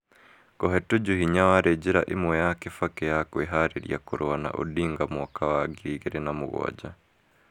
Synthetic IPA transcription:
ɡ̥ɔɦɛtuɟuhiɲawaɾeɟeɾaʔemwɛjakefakejakweɦaɾeɾj̰akoɾoana̰ʔo̰diːŋɡamɔkawaɡiɣeɾɛnamuɣɔ̰a̰ɟa

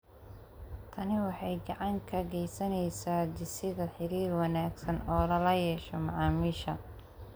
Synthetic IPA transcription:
t̪ʰɐnɪwɑħɑjɡɑʕɑŋkʰɐɡɛjsɐnɛjsaːd̪ɪsɪðɐħɪɾiːrwɑnaːɡsɐnɔːlɐlɐjɛːʃɔmɑʕɑːmiːʃɐ

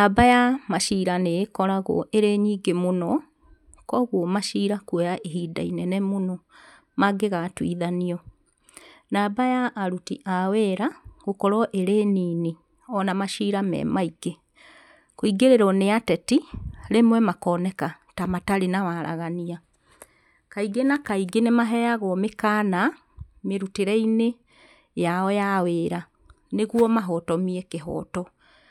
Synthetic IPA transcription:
abajamaʃiːɾaneːkɔɾaɣɔ̰ʔeɾeɲiːɡemonɔ | kɔɣwɔmaʃiːɾakwejaʔeɦiːda̰inɛnɛmonɔ | maɡeɣatwḭðaniɔ | naːbajaʔːɾutḭʔawɛɾaɣokɔɾɔʔeɾeːniːne | ɔnamaʃiːɾamɛ̰maiɡe | koiɡeɾeɾɔneatɛtilemwɛmakɔnɛka | tamataɾenawaɾʔa̰ɣania | kaiɡenakaiɡenemaɦɛjaɣɔmekana | meɾuteɾɛine | jaɔjaweːɾa | neɣwɔmaɦɔtɔmiekeɦɔ̰tɔ

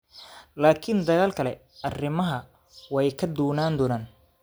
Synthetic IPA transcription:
laːkʰɪnd̪ɐɣaːlkʰɐlɛ | ɐrɪmɐɦɐ | wɛjkʰɐd̪uːnaːnd̪ɔːnaːn

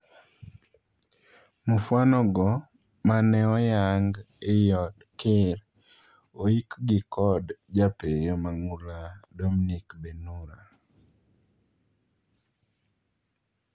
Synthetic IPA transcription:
mufwanɔɡɔ | manɛɔjaŋɡ | ejɔdkɪɾ | oikɡɪkʰɔdd͡ʒapejɔmaŋuladominikbenuɾa

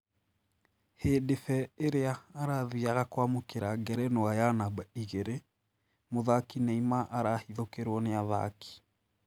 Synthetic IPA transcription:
hedefɛeɾeaːɾaðiaɣakwamokeɾaɡɛɾɛnoajanabaiɣeɾe | moðakinaimaʔaɾahiðokeɾwɔneaða̰kʰi̥

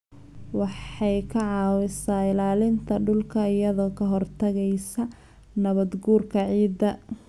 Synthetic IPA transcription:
wɑħɑjkʰɐʕɑːwɪsaːɪlaːlɪnt̪ʰɐɖʊlkʰɐɪjɐðɔːkʰɐɦɔrt̪ʰɐɣɛjsɐ | nɐβɐd̪ɡuːrkʰɐʕiːd̪ɐ

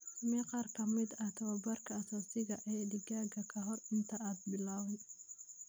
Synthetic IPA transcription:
miqɑːrkʰɐmɪd̪ɐht̪ʰɐwɐbɐrkʰɐːsaːsɪɣɐʔɛːɖɪɡaːɡɐkʰɐɦɔrɪnt̪ʰɐaːd̪̚bɪlaːwɛj

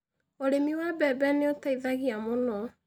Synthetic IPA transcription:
oɾemiwabɛbɛneotaiðaɣiamonɔ

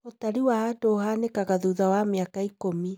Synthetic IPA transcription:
otaɾiwaːdoɦanekaɣaðuːðawameakaikomi

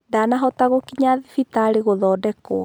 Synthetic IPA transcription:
danaɦɔtaɣokiɲaðifitaːɾeɣoðɔːdɛkoɔ

